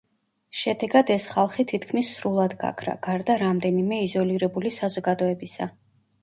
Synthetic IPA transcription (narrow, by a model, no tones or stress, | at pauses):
ʃɛd̪ɛɡad̪ɛsχalˠχit̪ʰit̪ʰkʰmisːɾulˠad̪ɡa̰kʰɾa̰ɡ̥aɾd̪aɾamd̪ɛnimɛizɔliɾɛbulisazɔɡad̪ɔɛbisa